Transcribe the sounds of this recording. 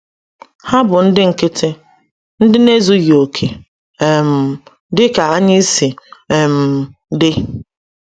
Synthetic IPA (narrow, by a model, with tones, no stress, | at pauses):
ha˦bʊ˨n̩˦dɪ˦ŋ̩˨kɪ˦tʰɪ˦ | n̩˦dɪ˦ne˦zu˦jo˨kʰe˨ | m̩˨ | dɪ˦ka˨a˦ɲɪ˦si˨e˨m̩˨dɪ˦